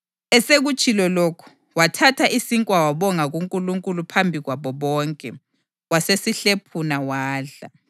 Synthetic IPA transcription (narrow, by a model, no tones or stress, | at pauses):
ɛseɣut͡ʃʼilɔlokʰu̥ | watʰatʰaʔisiŋkʼwawaβɔŋaɣuŋkʼuluŋkʼulupʰambʱiɣwaβɔβɔːŋkʼɛ | wasesiɬepʰunawaːɮa̰